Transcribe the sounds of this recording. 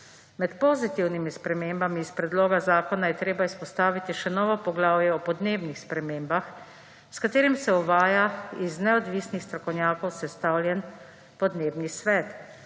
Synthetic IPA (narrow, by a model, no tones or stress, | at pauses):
mɛt̪pɔzit̪iwnimispɾɛmeːmbamiːspɾɛd̪loːɡazaːkɔnajɛt̪ɾeːbaispɔst̪aːʋit̪iʃɛnɔːʋɔpɔɡlaːwjɛɔpɔd̪neːbnixspɾɛmeːmbax | skat̪eːɾimsɛuʋaːjaiznɛɔd̪ʋiːsnixst̪ɾɔkɔwnjaːkɔwsɛst̪awljɛn | pɔd̪neːbnisʋɛːt̪